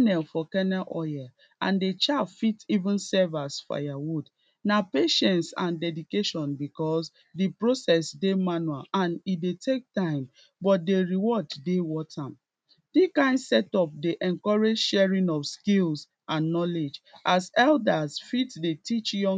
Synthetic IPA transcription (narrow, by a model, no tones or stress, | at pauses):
nɛlfɔkɛnɛʔɔjɛ | ʔã̰ndet͡ʃafitivũnsɛvasfa̰jawud | napeʃɛ̃ntsã̰ndɛdikeʃɔ̃nbikɔs | dipɹosɛsdemanualãnitdetʰek̚tãɪ̃m | bɔt̚deɹiwɔddewɔtʰãm | d̥ikãɪ̃ndsɛtɔp̚deʔɛ̃nkɔɹed͡ʒʃɛɹĩnɔfskils | ãnːɔled͡ʒʔasɛldasfitdetit͡ʃjɔ̃